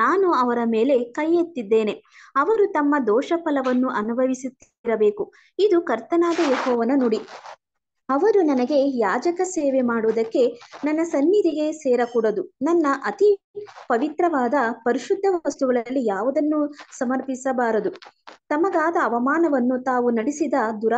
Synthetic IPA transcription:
naːnuɐʋɐɾɐmeːle̞kɐjːet̪ːid̪ːe̞ːne̞ɐʋɐɾut̪ɐmːɐd̪ɔːʂɐpɐlɐʋɐnːuʔɐnubʱɐʋisut̪ː | ɾɐbeːku | id̪ukɐɾt̪ɐnaːd̪ɐjɐhɔːʋɐnɐnoːɽi | ɐʋɐɾunɐnɐɡe̞jaːd͡ʒɐkɐseːʋemaːɽuʋːd̪ɐkːe̞nɐnːɐsɐnːid̪ʱiɡe̞sɛːɾɐkuːɽɐd̪unɐnːɐʔɐt̪ipɐʋit̪ɾɐʋaːd̪ɐpɐɾiʃud̪ʱːɐʋɐst̪uɡɐɭɐlːijaːʋɐd̪ɐnːusɐmɐɾpisɐbaːɾɐd̪ut̪ɐmɐɡaːd̪ɐːʋɐmaːnɐʋɐnːut̪aːʋunɐɽisid̪ɐd̪uɾa

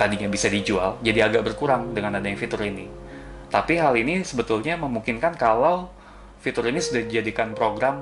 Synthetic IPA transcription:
t̪adiɲabisadid͡ʒuald͡ʒadiaɡaʔ̚bərkuɾaŋdəŋanadajaŋfit̪ʊɾini | t̪apiɦalinisəbət̪ʊlɲaməmuŋkɪnkankalaw | fit̪ʊɾinisudahdid͡ʒadikanpɾoɡɾam

